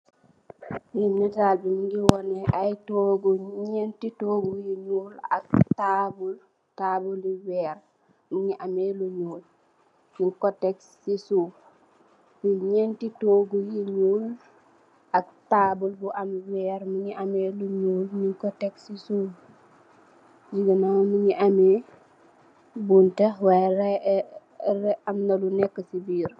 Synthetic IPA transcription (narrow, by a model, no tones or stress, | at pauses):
jinitaːlbimiŋɡiwɔneʔajtoɡuɲentitoːɡujiɲuːla̰k̚taːbul | taːbuliwɛːɾ | miɲiʔameluɲuːl | ɲiŋkotekssisuːf | biɲɛntitoːɡujiɲuːl | ɐk̚taːbulbuʔamwɛːɾmuɲiʔameːluɲuːlɲiŋkɔtɛksisuːf | d͡ʒiɡənawnuɲiʔame | buntɐwaɾ | ɾɛɐmnɐlunɛkːəsibiːɾ